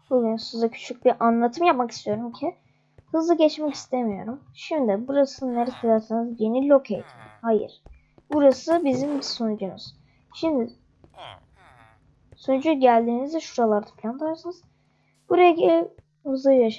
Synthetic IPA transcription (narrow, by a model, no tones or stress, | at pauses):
bulˠujnsunuzacʰy̥t͡ʃʰyc̚biʔanlˠat̪ʰɯmjapmaki̥st̪ʰijo̞ɾumcʰɪ | hɯzlˠɯɟɛt͡ʃmɛcʰi̥st̪ʰemijo̞ɾum | ʃimd̪ibuɾasɯneɾɛt̪ʰad̪aɾsanɯzje̞nilʲo̞kʰejt̪ʰi̥mhajɯ̰ɾ̥ | buɾasɯbizimbisonud͡ʒunṵz̥ | ʃimd̪ɪ | sonud͡ʒuɟælʲd̪iːnizɛʃuɾalˠaɾd̪ḁpʰlʲand̪ɯɾaɾsɯnɯz̥ | b̥uɾajaɟilʲɛ | hɯzlˠɯjaʃ